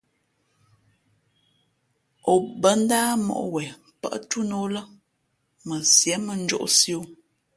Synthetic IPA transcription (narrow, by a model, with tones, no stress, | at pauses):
o˨bə˦n˦daː˦mɔ̰˨ʔwɛ˨ | pə̰˦ʔtu˦no˦lə˦ | mə˨sjɛ˨˦mə˨n̩˦d͡ʒo̰˦ʔsjo˦